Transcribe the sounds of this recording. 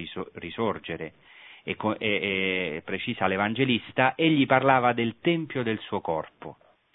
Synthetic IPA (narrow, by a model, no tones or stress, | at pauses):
risord͡ʒeɾe | ekːoɛɛpːɾet͡ʃiːsalevand͡ʒelist̪aʔeʎːiparlaːvad̪elt̪ɛmpjod̪elsuːokɔrpo̰